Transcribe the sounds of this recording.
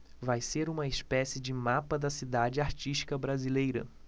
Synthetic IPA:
vajseɾũmɐespɛsɪd͡ʒɪmapɐd̪ɐsid̪ad͡ʒɪaɾt͡ʃiʃt͡ʃi̥kɐbɾazilejɾɐ̰

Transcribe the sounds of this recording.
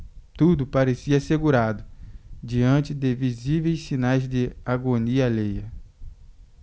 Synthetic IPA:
t̪ud̪ʊpaɾesiɐaseɡuɾad̪ʊd͡ʒiɐ̃t͡ʃɪd̪ɪvizivejssinajzd̪ɪaɡoniɐlejɐ

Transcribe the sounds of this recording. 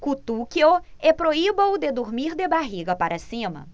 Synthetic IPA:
kut̪ukio | epɾoibɐʊd̪ed̪uɾmiɾd̪ebaɦiɡɐpaɾʔɐsĩmɐ̰

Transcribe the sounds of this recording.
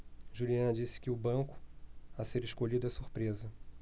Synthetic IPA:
ʒuliɐ̃nɐd͡ʒisɪ̥kɪʊbɐ̃ŋkʊ̥aseɾeʃkolid̪ʊɛsuɾpɾezɐ

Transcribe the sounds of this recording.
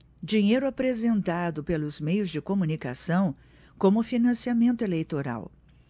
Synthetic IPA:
d͡ʒiɲejɾʊapɾezẽnt̪ad̪ʊpelʊzmejʊzd͡ʒɪkomunika̰sɐ̃w̃ | kõmʊfinɐ̃siamẽnt̪ʊelejt̪oɾa̰w

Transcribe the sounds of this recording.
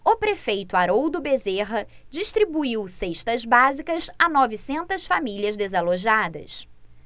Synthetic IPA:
ʊpɾefejt̪ʊaɾowd̪ʊbezeɦɐ | d͡ʒiʃt̪ɾibuiwseʃt̪ɐzbazikɐzanɔvisẽnt̪ɐsfamiliɐzd̪ezaloʒad̪ɐ̰s

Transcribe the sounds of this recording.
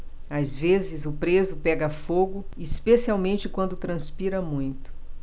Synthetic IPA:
azvezɪzʊpɾezʊpɛɡɐfoɡʊispesiawmẽnt͡ʃɪkwɐ̃nd̪ʊt̪ɾɐ̃spiɾɐmũj̃t̪ʊ̥

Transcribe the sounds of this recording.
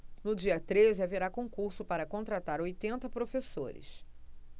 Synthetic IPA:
nʊd͡ʒiɐt̪ɾezɪaveɾakõkuɾsʊpaɾɐkõt̪ɾat̪aɾojt̪ẽnt̪ɐpɾofesoɾɪ̰s

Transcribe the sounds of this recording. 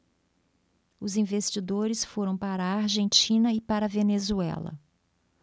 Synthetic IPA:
ʊzĩvest͡ʃid̪oɾɪsfoɾɐ̃w̃paɾɐːɾʒẽnt͡ʃĩnɐɪpaɾɐvenezuɛ̰lɐ̰

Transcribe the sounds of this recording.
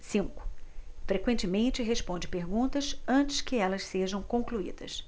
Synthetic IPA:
sĩŋkʊ̥fɾekwẽnt͡ʃɪmẽnt͡ʃɪɦeʃpõnd͡ʒɪpeɾɡũnt̪ɐsɐ̃nt͡ʃɪ̥skɪɛlɐsseʒɐ̃w̃kõkluḭd̪ɐ̰s

